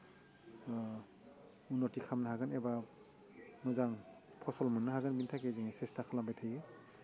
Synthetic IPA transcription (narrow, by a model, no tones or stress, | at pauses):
unɔtikʰamnaɦaɡɯneba | mɯzaŋ | pʰɔsɔlmɯnːɯɦaɡɯnbintʰakeziŋsɛstakʰalambajtʰajɯ